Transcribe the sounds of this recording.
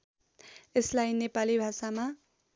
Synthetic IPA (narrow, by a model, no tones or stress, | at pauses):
eslajnepalibʱasama